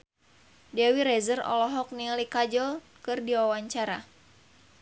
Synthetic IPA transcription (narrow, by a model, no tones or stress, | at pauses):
dɛwiɾɛzərɔ̰lɔɦɔk̚nilikad͡ʒɔl | kɨrdiwawaɲt͡ʃaɾa